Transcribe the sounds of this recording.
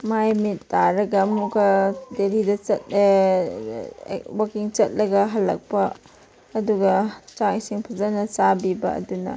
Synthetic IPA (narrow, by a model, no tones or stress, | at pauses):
majmit̚ːaɾɐɡɐmukɐdeɾidɐt͡ʃɐt̚ | wakiŋt͡ʃɐt̚lɐɡɐɦɐlːɐ̰k̚pɐː | duɡɐt͡ʃasiŋpʰɐzanɐt͡ʃabibɐɐ̰dunɐ̰